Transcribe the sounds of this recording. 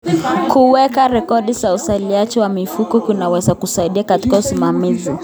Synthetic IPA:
kuwɛkaɾɛkɔɗizausaliat͡ʃɛwamifukɔkunawɛzakusaiɗiakati̥kausimamizi

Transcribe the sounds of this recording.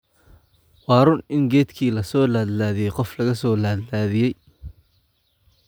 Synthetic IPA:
wɑːɾʊnɪŋɡɛːt̪kʰiːlɐsɔːlaːd̪laːðɪjɛjqɔflɐɣɐsɔːlaːd̪laːðɪjɛj

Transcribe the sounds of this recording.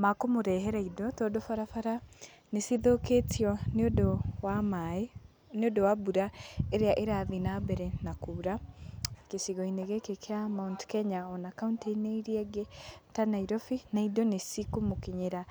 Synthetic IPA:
makomoɾɛɦɛɾaidɔtɔdɔfaɾafaɾa | nesiðoketʰiɔnodɔwamae | neodɔwabuɾaeɾeaʔeɾaðinabɛɾɛnakuɾa | kesiɣɔineɣekekʰeamauntkɛɲaɔnakaunteineiɾiɛɡetanaiɾɔfinaidɔnesikomokiɲeɾa

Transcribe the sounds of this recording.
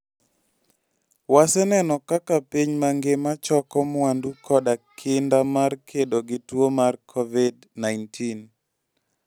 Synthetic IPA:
wasɛnɛnɔkakapiɲmaŋɡemat͡ʃɔkɔmandukʰɔdakʰɪndamarkʰedoɡɪtwomarkʰovid | najntʰin

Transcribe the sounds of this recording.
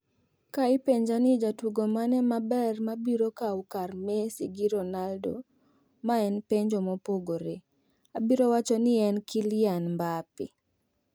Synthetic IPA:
kaɪpeɲd͡ʒanɪd͡ʒatwuɡomanɛmabɛrmabiɾokawkarmesiɡiɾonaldo̰ | maɛnpeɲd͡ʒomopoɡoɾe | abiɾowat͡ʃɔnɪɛnkɪljanmbapɪ̰

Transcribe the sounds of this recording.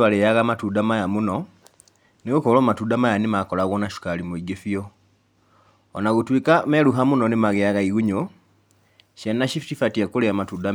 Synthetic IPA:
alejaɣamatudamajamuno | niɣukolomatudamajanimakolaɣonaʃu̥kalimuiɡefio | onaɣutwikameɾuɦamunonimaɣejaɣaiɣuɲo | ʃenːaʃifitifatiakuleamatuda

